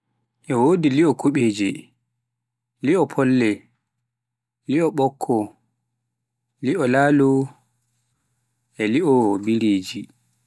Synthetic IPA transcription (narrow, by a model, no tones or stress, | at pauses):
ʔɛwoːdiliɔkʰuɓeːd͡ʒɛ | liɔpʰɔlːɛ | liɔɓɔkʰːɔ | liɔlaːlu | ʔɛliɔbiɾeːd͡ʒi